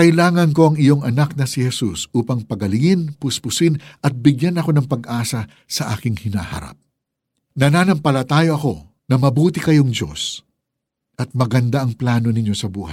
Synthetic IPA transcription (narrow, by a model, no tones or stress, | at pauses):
kɐjlaːŋɐnko̞ɐŋɪjo̞ŋɐnak̚nɐsɪhɛsusuːpɐŋpɐɡɐlɪŋɪnpʊspʊsɪnʔɐt̪̚bɪɡjanɐko̞nɐŋpɐɡʔaːsɐ | sɐʔaːkɪŋhɪna̰hɐ̰ɾa̰p̚ | nɐnanɐmpɐlɐt̪aːjoʔɐko̞ | nɐmɐbuːt̪ɪkɐjo̞ŋd͡ʒo̞̰s | ʔɐt̪̚mɐɡɐnd̪aɐŋplaːno̞nɪɲːo̞sɐbuːhɐ̰j